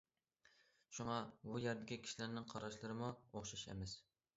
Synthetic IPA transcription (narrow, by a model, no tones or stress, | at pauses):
ʃuŋɑbujeɾd̪ɪkʲikʲʰi̥ʃilæɾnɪŋqʰɑɾɑʃlˠɨɾɨmuoχʃɑʃḛmɪs